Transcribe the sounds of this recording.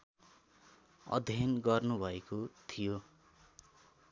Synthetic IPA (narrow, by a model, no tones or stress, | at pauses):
ʌ̰d̪ʱjanɡʌrnubʱʌekot̪ʰijo